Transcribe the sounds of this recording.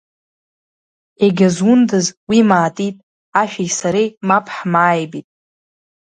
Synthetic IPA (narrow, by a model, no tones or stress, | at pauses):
eɡʲazʊndɨzwimaːtʼitʼ | aʃᶣajʲsaɾejmapʰʼħmaːjbitʼ